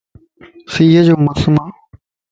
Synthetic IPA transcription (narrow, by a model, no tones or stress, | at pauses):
siːɦəd͡ʑoːməsmaː